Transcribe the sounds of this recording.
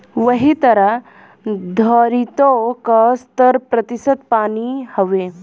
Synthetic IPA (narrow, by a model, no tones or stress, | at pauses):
ʋɐɦit̪ɐɾa | d̪ʱəɾit̪okəst̪əɾpɾɐt̪isəd̪paːnihɐʋe